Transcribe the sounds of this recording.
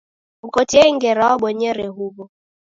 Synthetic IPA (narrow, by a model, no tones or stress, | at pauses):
ukɔtiɛŋ̩ɡɛɾaɔɓɔɲɛɾɛɦuβɔ